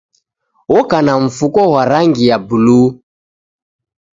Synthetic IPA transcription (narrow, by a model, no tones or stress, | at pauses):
wɔkanaɱ̩fukɔɦwaɾaŋɡijabulu